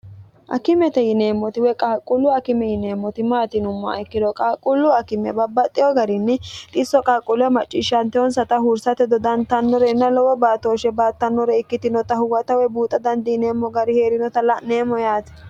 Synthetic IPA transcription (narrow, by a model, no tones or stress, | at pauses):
ʔɐ̰kɪmɛt̪ɛjɪne̞ːmːɔt̪ɪwɛkʼɐhkʼːʊlːʊɐkɪmɛjɪne̞ːmːɔt̪ɪmaːt̪ɪnʊmːɔɐ̰ɪkːɪd̪ɔkʼɐkʼːʊlːʊɐkɪmɛ̰bɐbːɐt̪ʼːɪjɔɡɐɾɪnːɪt̪ʼɪsːɔkʼɐhkʼʊlʊjɐmɐt͡ʃʼːɪʃːɐnt̪ɛɔnsɐt̪ɐhʊɾsɐt̪ɛd̪ɔd̪ɐnt̪ɐnːɔɾɛɪnːɐlɔwɔbaːt̪ːoːʃɛbaːt̪ːɐnːɔɾɛɪkːɪt̪ɪnɔt̪ɐhʊwɐt̪ɐwɛbuːt̪ʼːɐd̪ɐnd̪ɪjɪneːmːɔɡɐɾɪhe̞ːɾɪnɔt̪ɐlɐʔne̞ːmːɔjaːt̪ɪ̥